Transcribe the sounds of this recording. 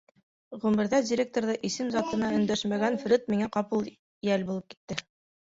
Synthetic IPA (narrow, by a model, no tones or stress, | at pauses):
ʁʉmɘ̆ɾðædʲɪɾʲek̚t̪oɾðɤʔisɘmzɑt̪ɤ̆nɑɵ̆nd̪æʃmæɡænf̆ɾɘt̪̚miŋæqɑpɤlˠ | jælbulˠɤp̚ki̥t̪ːɘ